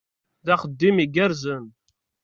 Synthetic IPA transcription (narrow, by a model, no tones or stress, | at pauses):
ðæχəd̪ːimiɡæɾzən